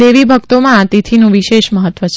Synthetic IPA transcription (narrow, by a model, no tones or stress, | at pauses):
eʋibʱək̚t̪omãːt̪it̪ʰinũʋiʃeʃməɦət̪ːʋət͡ʃʰ